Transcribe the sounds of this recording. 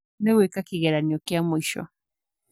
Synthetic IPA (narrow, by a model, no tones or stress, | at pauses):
neɣwekakiɣɛɾaniɔkjamoiʃɔ̰